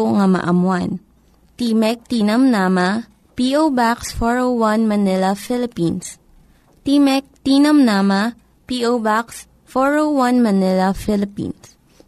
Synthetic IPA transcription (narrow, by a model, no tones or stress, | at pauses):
ŋɐmɐ̰ʔɐmwan | t̪iːmɛk̚t̪iːnɐmnama | piʔowbaksfɔɹowwanmɐnɪlɐfilɪpins | t̪imɛk̚t̪iːnɐmnama | piʔobaks | foɹowwanmɐnɪlɐfɪlɪpḭns